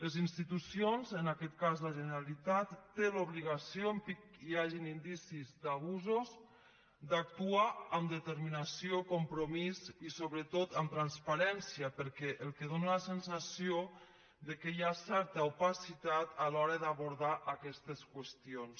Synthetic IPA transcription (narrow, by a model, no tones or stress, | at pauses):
ləzinst̪it̪usionzənakɛt̪̚kazləʒənəɾalit̪at̪ːeluβliɣ̞asioəmpikiaʒinind̪isizd̪aβ̞uzoz | d̪ak̚t̪uaəmd̪ət̪əɾminasiokompɾomizisoβɾət̪ot̪əmt̪ɾanspaɾɛnsiəpəɾkɛʔəlˠkəðonələsənsasio | ðəkəjasɛɾt̪əupasit̪at̪alɔɾəðaβuɾðaʔəkɛst̪əskwəst̪ions